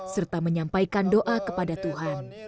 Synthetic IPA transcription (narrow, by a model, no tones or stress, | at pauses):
sərt̪aməɲampajkandoʔakəpadat̪uɦan